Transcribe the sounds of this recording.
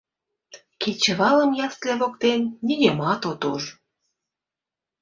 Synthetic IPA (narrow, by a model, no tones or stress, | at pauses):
ket͡ɕə̆βɑləmjɑsleβokt̪enːʲiɣemɑt̪ot̪uʒ